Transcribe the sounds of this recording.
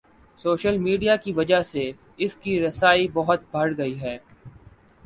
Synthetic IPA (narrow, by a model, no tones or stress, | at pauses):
soːʃəlmiːɖijakiʋɐd͡ʒase | ɪskiɾɐsaːibɐɦʊt̪̚bʱɐɽɡɐiɦɛː